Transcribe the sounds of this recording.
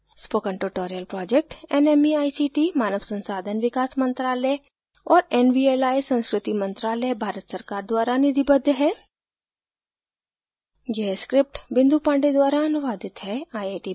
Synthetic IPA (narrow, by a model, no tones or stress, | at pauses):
spoːkə̃ɳʈuɾʈoːɾijəlpɾɔːd͡ʒek̚ʈɛnemiaːisiːʈimaːnəʋsɐ̃nsaːd̪ʱənʋɪkaːsmə̃nt̪ɾaːlɛ | ɔːɾɛnbieːlaːisɐ̃nskɾɪt̪imɐ̃nt̪ɾaːlɛbʱaːɾət̪səɾkaːɾd̪waːɾanɪd̪ʱibəd̪ʱɦɛ | jeskɾɪp̚ʈbɪ̃nd̪ʱupãːɳɖed̪waːɾaɐnʊʋaːd̪ɪt̪ɦɛaːjeʈi